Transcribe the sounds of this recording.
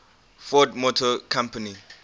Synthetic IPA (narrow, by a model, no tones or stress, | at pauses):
fɔdmɔtʰɔkʰãmpʰani